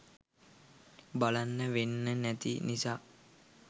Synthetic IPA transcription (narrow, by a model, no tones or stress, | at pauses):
balanːəʋenːənæt̪inisaː